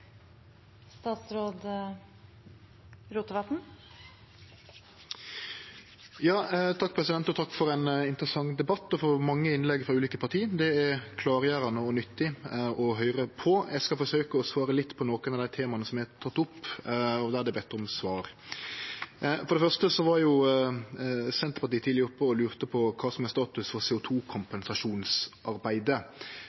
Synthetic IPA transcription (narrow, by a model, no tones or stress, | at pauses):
st̪ɑːt̪sɾoːd̪ | ɾuːt̪əʋɑt̪n̩ | jɑːt̪ʰɑk̚ːpʰɾɛsɪd̪ɛnt̪ɔt̪ʰɑkːfɔɾɛnɪnt̪ɾəsɑŋd̪ɛbɑt̪ːɔfɔmɑŋːəɪnlɛɡfɾɑʉːliːkəpʰɑʁt̪ʰiːd̪ɛæɾkʰlɑːɾjæːɾɑnəɔnʏt̪ːɪɔɦœʏɾəpʰɔjʔæɪskɑfɔʂøːkəɔsʋɑːɾəlɪt̪ːpʰɔnoːkənɑʋd̪æɪt̪ʰeːmɑnəsɔmjæɪhæt̪ʰɑt̪ːʊpːɔd̪æd̪ɛbɛt̪ːɔmsʋɑːɾ | fɔɾɖ̪ɛfœʁʂt̪əsɔʋɑɾjʊ | sɛnt̪əpɑɾt̪iːt̪ʰiːlɪʊpːəɔlʉːɾt̪əpʰɔkʰɑːsɔmɛst̪ɑːt̪ʉsfɔɾseːʊt̪ʰuːkʰʊmpɛnsɑʂuːnsʔɑɾbæɪd̪ə